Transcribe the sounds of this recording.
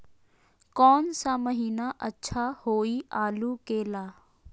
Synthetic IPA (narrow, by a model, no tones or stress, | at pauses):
kɔːnsaməɦiːnaʔɐtːʃʰahoːiaːlukeːlaː